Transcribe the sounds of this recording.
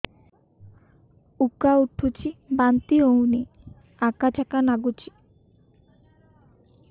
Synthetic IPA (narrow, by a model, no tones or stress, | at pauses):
ukauʈʰːut͡ɕʰibant̪iowne | akat͡ɕʰakanaɡut͡ɕʰi̥